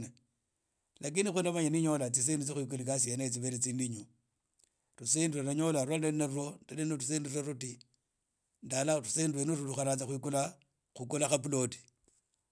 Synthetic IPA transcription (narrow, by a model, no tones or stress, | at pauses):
na | lak̬inixwundamaɲaniɲolat͡sis̬endut͡sixwik̬ulikas̬ienaet͡siβeɾet͡siːndiɲu | rusendiranaɲolaɾuananarondalenorusendireruti | ndalarusendiwenuruluxaɾat͡saxwikula | xukulaxapuloti̥